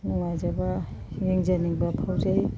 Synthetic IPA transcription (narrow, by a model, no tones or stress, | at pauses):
nɔŋajzaba | ɡiŋzaniŋbapʰawzaj